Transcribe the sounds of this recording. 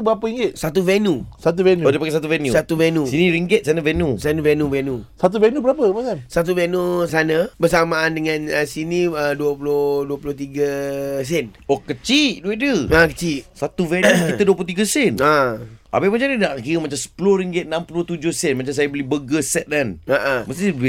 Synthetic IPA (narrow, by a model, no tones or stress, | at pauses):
bəapəiŋɡɪt̪̚sat̪̬uvɛnusat̪̬uvɛnuodəpakɛsat̪̬uvɛnjusat̪uvɛnusinĩɾiŋɡɪt̪̚sanəvɛnusanuvɛnuvɛnusat̪̬uvɛnubəɾapəpasansat̪̬uvɛnusanəbəsamaːndəŋãnəsinĩəduəpuloduəpulʊht̪iɡəs̬ɛn | okət͡ʃiʔduedəakət͡ʃiʔsat̪uvɛnukiəduəpulot̪iɡəsɪnaʔa̰bamat͡ʃanidaʔkiɣəmat͡ʃamsə̥pulohɾiŋɡɪt̪̚nampuloht̪ud͡ʒʊhsɛnmat͡ʃams̬ajəbəlibəɡəsɛt̪̚danaʔaməst̪i